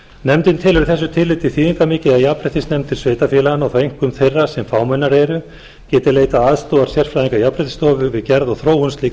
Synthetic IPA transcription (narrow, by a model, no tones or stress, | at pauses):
nɛmt̪ɪnt̪ʰɪlʏɾθɛs̬ːʏt̪ʰɪlːɪt̪ɪθiːðiŋkamɪːcɪajapɾɪt̪ɪsnɛmt̪ʰɪlsveːjt̪afjɛːlaanaɣθejŋ̥kʏmθejrːḁsɛmfaːwmɛnːaɾɛɾʏ | cɛːt̪ɪleːjt̪aaːðst̪oːðaɾ̥sjɛr̥fɾajðiŋkajapɾɪt̪ɪ̥st̪ɔːvʏvɪðcɛɾðɔɣθɾoːwʏnst̪liːk